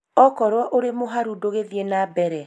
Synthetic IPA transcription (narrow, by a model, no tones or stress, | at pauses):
ɔkɔɾwɔʔoɾemoɦaɾudoɣeðienabɛɾɛ